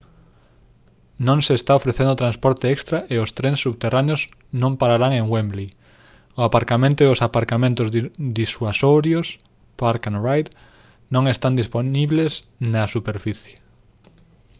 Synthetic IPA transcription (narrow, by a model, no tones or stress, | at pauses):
nõŋseːst̪aofɾeθẽnd̪ot̪ɾãnspɔɾt̪eɛkst̪ɾaʔeʊst̪ɾensːuβt̪eranjos | nõmpaɾaɾaŋeŋwembli | ʊapaɾkamẽnt̪oeosapaɾkamẽnt̪ʊzd̪isuasoɾjos | paɾkanrajt̪ | nõŋest̪and̪isponiβles | nasupeɾfiθje̥